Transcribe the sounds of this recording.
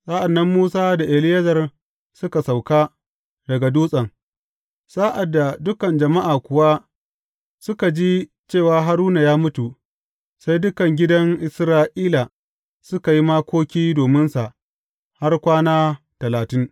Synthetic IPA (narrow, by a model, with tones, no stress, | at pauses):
sʼaː˦ʔa˨nːɐ˦mːuː˦saː˦da˨ʔɪ˨lɪ˦jɐ˦zɐ˨r | sʊ˦ka˨sa˨wkaː˦ | dɐ˨ɡa˨duː˦sʼɐ˨ŋ | sʼa˦ʔa˨dːa˨dʊ˦kɐ˨nd͡ʒɐ˨ma˦ʔaː˨kʷʊ˨wa˦ | sʊ˦ka˨d͡ʒi˦ | t͡ʃeː˦˨waː˨ɦa˦ɾuː˦na˨jaː˦mʊ˦tu˨ | sa˦jdʊ˦kɐ˨ŋɡʲɪ˦dɐ˦ŋʔɪ˨sɾaː˦ʔiː˦la˨ | sʊ˦ka˨ji˦ma˦kʷoː˦kʲiː˦doː˨mɪ˦nsa˨ʔ | ha˦rkʷaː˦naː˦ | tɐ˨laː˨tɪ˦ŋ